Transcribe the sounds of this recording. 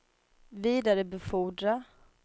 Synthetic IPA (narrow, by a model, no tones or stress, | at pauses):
viːd̪aɾəbɛfuːɖɾa